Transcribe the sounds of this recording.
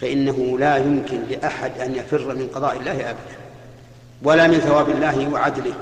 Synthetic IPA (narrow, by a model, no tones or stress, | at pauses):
faʔɪnːaɦʊlaːjʊmkɪnlɪʔaħad̪ʔanjafɪrːmɪnqɑðˤɑːʔɪlːaːhɪʔabad̪an | walaːmɪnθawaːbɪlːaːhɪwaʕad̪lɪ